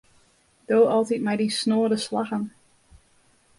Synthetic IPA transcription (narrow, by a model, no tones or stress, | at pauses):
d̥oːɑlˠtitmɛjdisnoːdəslɑxən